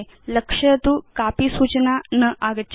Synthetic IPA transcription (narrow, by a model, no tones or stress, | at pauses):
j | ləkʂət̪ukapiːsut͡ɕnanəʔaɡət͡ɕ